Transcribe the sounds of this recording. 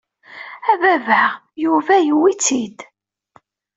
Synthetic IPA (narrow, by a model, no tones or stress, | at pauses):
ævævæʁ | juvæjwit͡sːid̪